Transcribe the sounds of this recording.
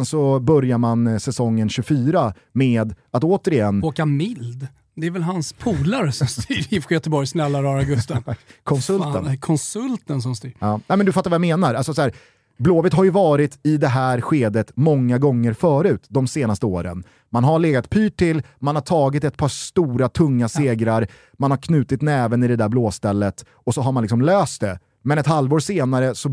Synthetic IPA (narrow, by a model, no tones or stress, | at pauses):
nsɔbœɾjaɾmansɛsɔŋːənɕɵfyːɾa | meːd̪at̪oːt̪əɾɪjɛnːoːkamɪld̪ | d̪ɛɛɾvɛlɦanspʰuːlaɾsɔmst̪iɾɪfɧjœt̪əbɔɾjsnɛlːaɾɑːɾaɡɵst̪akʰɔnsɵlt̪ə̰nkʰɔnsɵlt̪əns̬ɔmst̪iɑːnɛmɛnd̪ɵfat̪ːaɾvajameːnaɾalsɔsæːɾ | bloːvət̪ɦaɾjɵvɑːɾɪt̪ɪd̪ɛɦæːɾɧeːd̪ət̪mɔŋːaɡɔŋːəɾfœːɾʉ̟ːt̪d̪ɔmseːnast̪əoːɾə̰n | manɦaɭeːɡat̪pʰyːʈʰːɪlmanhaʈ̪ʰɑːɡɪt̪̬ɛt̪̚pʰɑʂst̪uːɾat̪ʰɵŋːaseːɡɾaɾ | manhaɾkʰnʉ̟ːt̪ɪt̪nɛːvənɪd̪ɛd̪æbloːst̪ɛlːət̪ | ɔsɔɦaɾmanlɪksɔmløːst̪̚d̪ɛ | mɛnɛt̪halvoːɾʂeːnaɾəsɔ